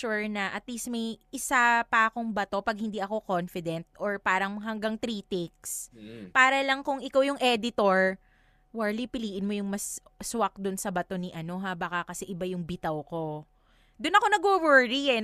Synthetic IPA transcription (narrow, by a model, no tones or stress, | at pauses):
uɹnɐʔɐt̪lismɐjʔɪsapɐʔɐko̞ŋbɐt̪o̞pɐɡ̚hɪnd̪iʔɐko̞ko̞nfɪd̪ɛnt̪̚oɹpaːɾɐŋɦɐŋɡaŋt̪ɾiːt̪ɪk̚spaːɾɐlɐŋkʊŋɪkawjʊŋʔɛd̪ɪt̪o̞ɹ | waɹlipɪliːʔɪnmo̞jʊŋmɐs | swɐk̚d̪ʊnsɐbɐt̪o̞niʔɐno̞ɦabakakɐsɛʔɪbajʊŋbɪt̪ɐwko̞ | d̪ʊnɐkonɐɡowɛɾiɛ